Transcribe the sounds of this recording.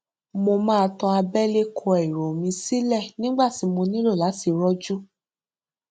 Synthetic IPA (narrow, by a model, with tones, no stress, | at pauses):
mo˧mãː˦˧tɔ̃˧a˧bɛ˦le˦kʰɔ˧ɛ˨ɾo˨mĩ˧si˦lɛ˦˨nĩ˦ɡ͡ba˦˨ti˨˦mõ˧nĩ˦lo˦˨la˨˦si˨˧ɾɔ˦d͡ʒu˦